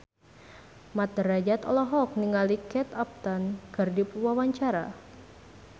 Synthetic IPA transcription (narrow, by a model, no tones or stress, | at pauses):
mat̪̚dəɾad͡ʒat̪ɔlɔɦɔk̚niŋalikɛt̪ap̚t̪anɡərdipwawaɲt͡ʃaɾa̰